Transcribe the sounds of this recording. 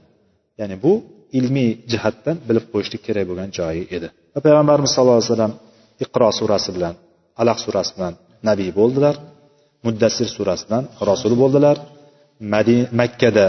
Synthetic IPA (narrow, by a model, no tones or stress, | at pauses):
janɪbʊ | ɪlmid͡ʒɪhat̪ːanbɪlɪp̚qʰojɪʃlʲɪkʲʰe̞ɾakʲboɡʲand͡ʒɒjɪe̞d̪ɪ | vapʰajʁambaɾɪmɪzsɒlˠːɑlasalːam | ɪqʰɨɾɒsuɾasɪbɪlan | alaqsuɾasɪ̥bɪlanːabijbolˠd̪ɪlaɾ | mʊd̪ːasːɪɾsuɾasɪd̪anɾɒsʊlˠbolˠd̪ɪlaɾ | makʲʰːad̪a